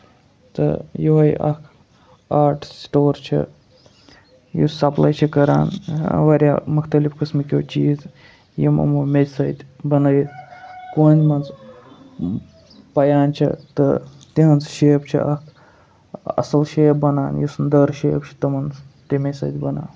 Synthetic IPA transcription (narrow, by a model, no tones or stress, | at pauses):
t̪ɨ̰jiʋɐjʔɐ̰kʰ | aːʈʰsʈoːɾt͡ʃʰḭ | jḭsɐplajt͡ʃʰikɐɾa̰ːnʋɐɾʲjaːmukʰt̪ɐlifkɨsmɨkʲjoːt͡ʃiːz | jimɐ̰muːmed̪ʲsɐt̪ʲbɐnɐjkoːnʲd̪ʲmɐnz | pɐjaːnt͡ʃʰḭt̪ɨ | t̪iɦɐnt͡sʃeːpt͡ʃʰḭʔɐkʰ | ɐ̰sɐlʃeːbɐnaːnjisɨnd̪əɾʃeːpt͡ʃʰi̥t̪ɨmɐnzt̪imesɐ̰d̪ʲbɐna̰ːn